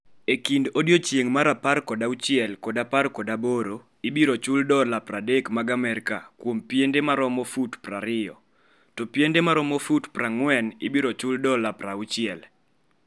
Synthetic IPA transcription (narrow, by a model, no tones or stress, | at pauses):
ekindodjot͡ʃjeŋmaɾaparkɔdaut͡ʃɪɛlkodaparkɔdaboɾo | ibiɾot͡ʃʊldɔlapradekmaɡamɛɾka̰kwompjendemaɾɔmofutpraɾɪjɔ | tɔpjendemaɾɔmofutpraŋwɛnɪbiɾɔt͡ʃʊldɔlapɾaut͡ʃɪɛl